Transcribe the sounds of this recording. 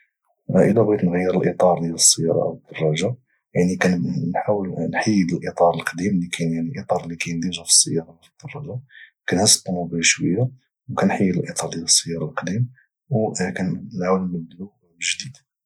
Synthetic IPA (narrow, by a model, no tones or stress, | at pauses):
ʔə̰læbɣit̪nɣəjːəɾəlʔit̪ˤɑɾˤd̪jæləsːəjːɑ̰ɾˤɑ̰əd̪̥ːɑrˤːɑʒa | jaʕnikænnħawəlnħəjːəd̪əlʔit̪ˤɑɾˤəlqd̪imlikʰænjaʕniʔit̪ˤɑɾˤlikæjənd̪iʒæfə̥sːəjːɑɾˤɑfid̪̥ːɑrˤːɑʒɑkænhəsə̥t̪ːumubæʃwəjːa | wkænħəjːəd̪əlʔit̪ˤɑɾˤd̪æləsˤːəjːɑɾˤɑlqd̪im | wkænlʕawləmːəblu | ʒd̪id̪